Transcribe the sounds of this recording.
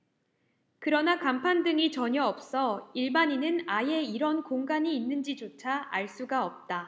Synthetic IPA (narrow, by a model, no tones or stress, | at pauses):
kɯɾʌnakampʰandɯŋit͡ɕʌɲʌʌp̚s͈ʌiɭbaɲinɯnaje̞iɾʌnkoŋɡaɲiːnːɯnd͡ʑit͡ɕot͡ɕʰaaɭs͈uɡaʌp̚t͈a